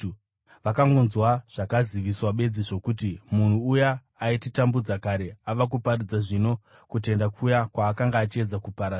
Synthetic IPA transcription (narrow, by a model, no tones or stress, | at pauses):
ʋakaŋɡonzwaʐ̥akaziʋiswaɓe̞d͡ziʐo̞kutimun̤uujaː | ititambud͡zakaɾe̞aʋak̬uparid͡zaʐino̞ | kute̞ndakʰujakwaːkaŋɡaːt͡ʃie̞d͡zakupaɾa